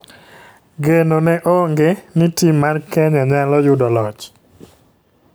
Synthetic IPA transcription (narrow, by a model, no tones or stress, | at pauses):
ɡenonɛʔoŋɡenitimːarkɛɲaɲalɔjʊdɔlɔt͡ʃ